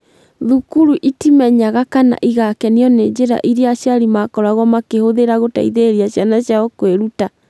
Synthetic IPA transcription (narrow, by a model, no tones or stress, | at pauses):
ðukuɾuʔitimɛɲaɣakana̰ʔiɣakɛniɔned͡ʑeɾa̰ʔiɾeaʃjaɾimakɔɾaɣwamakehoðeɾaɣota̰iðeɾiaɕjanaɕjaɔkweɾuta